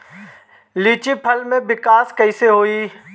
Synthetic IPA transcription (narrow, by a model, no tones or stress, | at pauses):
liːt͡ʃipʰɐlmẽbɪkaːskɐiseɦoːiː